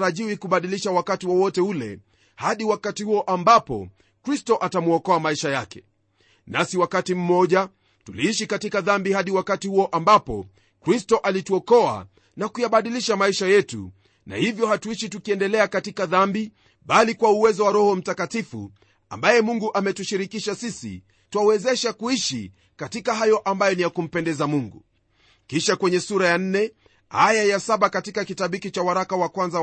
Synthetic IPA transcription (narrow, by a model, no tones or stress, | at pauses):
ɾaʄiwikuɓaɗiliʃawakatiwɔwɔtɛulɛ̰ | haɗiwakatihuɔʔambapɔ̰ | kɾistɔʔatamuɔkɔamaiʃajakɛ | nasiwakatim̩mɔʄa | tuliiʃikatikaðambihaɗiwakatihuɔʔambapɔ | kɾistɔʔalituɔkɔa̰ | nakujaɓaɗiliʃamaiʃajɛtṵ | na̰hivjɔhatuiʃitukiɛndɛlɛakatikaðambi | ɓalikwauwɛzɔwaɾɔhɔm̩takatifṵ | a̰mbajɛmuŋɡuʔamɛtuʃiɾikiʃasisḭ | tuawɛzɛʃakuiʃḭ | katikaɦajɔʔambajɔnijakum̩pɛndɛzamuŋɡu | kiʃakwɛɲɛsuɾajan̩nɛ | hajajasaɓakatikakitaɓikit͡ʃawaɾakawakwanza